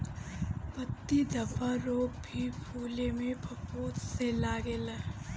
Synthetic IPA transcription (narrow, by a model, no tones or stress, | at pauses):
pət̪ːid̪ɐbaɾoːk̚bʱipʰuːlemẽbʱɐpuːt̪selaːɡelə